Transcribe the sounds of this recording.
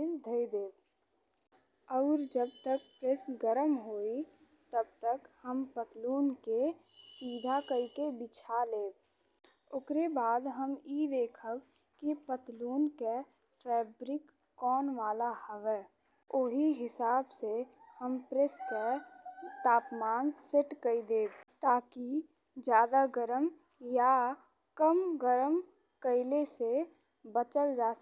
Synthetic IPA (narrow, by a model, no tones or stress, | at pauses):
ɪnd̪ʱəid̪eːb | ɔːɾd͡ʒəb̚t̪ək̚pɾesɡəɾəmɦoːi | t̪əb̚t̪əkhəmpət̪luːnke | siːd̪ʱakəikebɪt͡ʃʰaleːb | ʊkɾebaːd̪ɦəmiːd̪eːkʰəkipət̪luːnke | fʰɛːbɾɪkː | ɔːnʋaːlahəʋɛː | ʊɦiɦɪsaːbsehəmpɾeske | t̪aːpmaːnsɪʈkəid̪eːbt̪aːki | d͡ʒjaːd̪aɡəɾəm | ja | kəmɡəɾəm | kəɪlese | bət͡ʃəld͡ʒaː